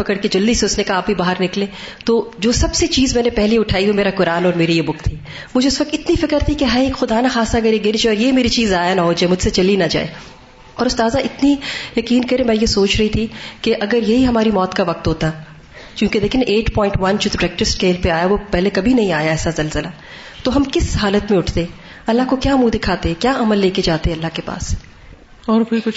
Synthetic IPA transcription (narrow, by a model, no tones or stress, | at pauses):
ɪkəɽked͡ʒɐld̪isoːt͡ʃnekaaːp̚bʱibaːɦəɾnɪklẽː | t̪oːd͡ʒoːsɐbset͡ʃiːzmɛ̃ːnepɛɦleʊʈʰaːiʋomeːɾakʊɾaːnɔːɾmeːɾijebʊkt̪ʰiː | mʊd͡ʒʱeʊsʋɐk̚t̪ɪt̪nifɪkəɾt̪ʰikeɦɐeːkxʊd̪aːnaxaːsaɐɡəɾjeɡɪɾd͡ʒeɔːɾjemeːɾit͡ʃiːzaːjanaɦoːd͡ʒaːemʊd͡ʒʱset͡ʃɐlinad͡ʒa̰ːḛː | ɔːɾʊst̪aːzaʔɪt̪nijɐkiːnkɐɾẽmɛ̃ːjesoːt͡ʃɾɐɦit̪ʰikeʔɐɡəɾjɐɦiɦɐmaːɾimɔːt̪kaʋɐq̚t̪ɦoːt̪aɦɛ | kjũːked̪eːkʰɪnʔeːʈpɔ̃ːɪ̃ɳʈʋɐnd͡ʒoːd̪ɾɛk̚ʈɾɪsʈkeːlpeaːjaʋopɛɦlekɐbʱinɐɦĩaːjaɛːsazɐlzəla | t̪oɦɐmkɪsɦaːlət̪mẽʊʈʰt̪eɛː | ɐlːaɦkokjaːmũːd̪ɪkʰaːt̪eɦɛ̃kjaːɐməlːeːked͡ʒaːt̪eɦɛɐlːaɦkepa̰ːs | ɔːɾkʊikʊt͡ʃ